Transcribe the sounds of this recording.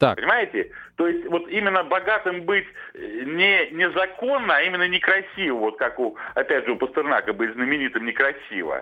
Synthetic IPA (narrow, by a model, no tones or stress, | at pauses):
t̪apənʲɪmajɪtʲɪt̪o̞jɪsʲtʲvo̞t̪imʲɪnːəbɐɡat̪ɨmbɨtʲ | nʲɪnʲɪzɐko̞nːəɐimʲɪnːənʲɪkɾɐsʲivəvo̞t̪̚kakuɐpʲædʲʐɨʊpəst̪ɨrna̰kəbɨtʲznəmʲɪnʲit̪ɨmnʲɪkɾɐsʲivə̰